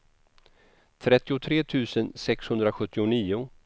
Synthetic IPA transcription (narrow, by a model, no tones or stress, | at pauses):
t̪ʰɾɛt̪ːɪʊt̪ʰɾeːt̪ʰʉ̟ːsənsɛkshɵnd̪ɾaɧɵt̪ːɪʊniːʊ